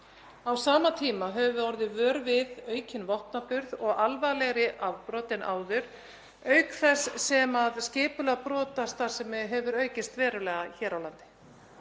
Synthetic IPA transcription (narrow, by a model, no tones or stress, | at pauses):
awsaːmat̪ʰiːmaɦɛvʏɔɾðɪvœːɾvɪðœːɥcɪnvɔht̪napʏɾðɔɣalvajlɛɣɾɪʔavpɾɔːt̪ɪnʔa̰ːwðʏɾ̥ | œːɥkθɛsːɛmaðscɪːpʏlɛɣapɾɔːt̪ast̪ḁsɛmɛɦɛvʏɾœːɥcɪst̪vɛːɾʏlɛːɣaçɛːɾawlant̪ɪ̥